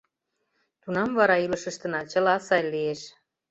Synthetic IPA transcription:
t̪unɑmvɑɾɑilə̆ʃə̆ʃt̪ə̆nɑt͡ɕə̆lɑsɑjlieʃ

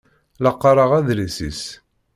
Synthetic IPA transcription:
lɑqːɑɾˤəʁæðɾisḭs

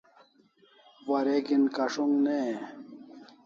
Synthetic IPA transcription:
wɐɾeɡinkɐʂuŋɡne

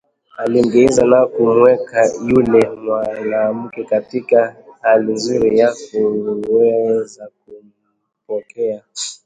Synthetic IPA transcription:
aliŋɡɛɛzanakumwɛkajulɛmwanaːm̩kɛkatikahalinzuɾijakuwɛzak̚um̩ | pɔkɛa

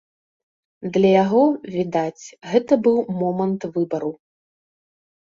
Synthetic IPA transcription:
d̪lʲɐjaɣɔvʲid̪at͡sʲɣɛt̪ɐbɨwmɔmɐnt̪vɨbɐɾu

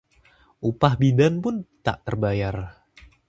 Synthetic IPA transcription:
ʔupahbidanpʊnt̪a̰ʔt̪ərbajar

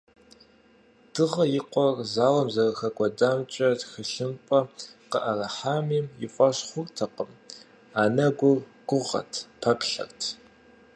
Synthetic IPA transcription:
d̥ɨʁɐjɪqʷɔrzaːwɐmzɐrɐxɐɡʷʼɔdaːmt͡ʃʼɐtxɨɬɨmpʼɐqəʔɐrɐħaːmiːmjɪfʷʼɐɕχʷʊrtʰɐqəm | aːnɐɡʷʊrɡ̥ʷʊʁɐ̰tʰpʰɐpɬɐ̰rtʰ

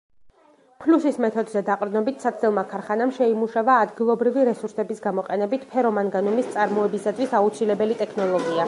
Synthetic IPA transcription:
pʰlusismɛt̪ʰɔd̪zɛd̪aqʼɾd̪nɔbit̪ʰsat̪ɛlˠmakʰaɾχanamʃɛimuʃavaːd̪ɡilˠɔbɾiviɾɛsuɾsɛbisɡamɔqʼɛnɛbit̪ʰpʰɛɾɔmanɡanumist̪sʼaɾmɔɛbisad̪visaut̪sʰilɛbɛlit̪ʼɛkʰnɔlˠɔɡia

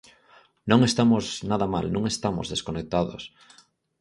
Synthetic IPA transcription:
nõŋest̪amoznaðama̰lnõŋest̪amo̰zðeskonek̚t̪aðo̰s

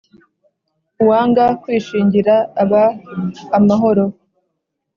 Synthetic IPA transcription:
uwaːŋɡakwiːʃiːɲɟiɾaːβaː | maɦo̞ɾo̞

